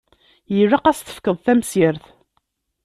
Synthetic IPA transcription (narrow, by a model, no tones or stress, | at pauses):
jiraqæst̪ə̥fkːəðˤθæmsəɾθ